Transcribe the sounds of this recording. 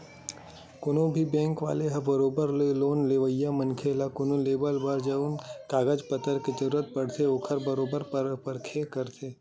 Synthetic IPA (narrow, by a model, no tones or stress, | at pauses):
kʊnõbʱibɛ̃ːŋkʋa̰ːleɦɐbɐɾoːbəɾlloːnleːʋəjːamɐnkʰeːlakʊnõleːbəlbaːɾd͡ʒɐunkaːɡəd͡ʒpɐt̪əɾked͡ʒ̪ɐɾuːɾət̪̚pɐɽt̪ʰeokʰəɾbɐɾoːbəɾpəpəɾkʰekɐɾt̪ʰeː